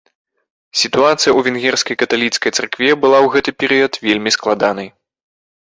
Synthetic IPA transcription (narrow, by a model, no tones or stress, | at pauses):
sʲit̪uat̪sɨjɐuvʲɛnɣʲɛrskɐjkɐt̪alʲit̪skɐjt̪sɛrkvʲɛbɨlˠawɣɛt̪ɨpʲɛɾɨjɐt̪vʲelʲmʲisklˠad̪anɐj